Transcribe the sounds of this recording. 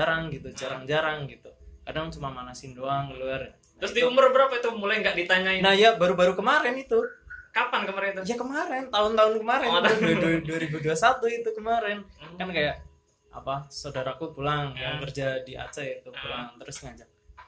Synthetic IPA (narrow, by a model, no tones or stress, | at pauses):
aɾaŋɡit̪ud͡ʒaɾaŋd͡ʒaɾaŋɡit̪ukadaŋt͡ʃumamanasindoaŋəluarja | ɾʊsdiumʊrbəɾapait̪umulajŋɡaʔdit̪aɲainahjabaɾubaɾukəmaɾɪnit̪ukapankəmaɾɛnt̪ujakəmaɾɛnt̪aɦʊnt̪aɦʊnkəmaɾɛnt̪ʊdduduaɾibuduasat̪uit̪ukəmaɾɛnkankajaʔ | a̰pasaudaɾakupulaŋjaŋkərd͡ʒadiʔa̰t͡ʃait̪upulaŋt̪əɾʊsŋad͡ʒak̚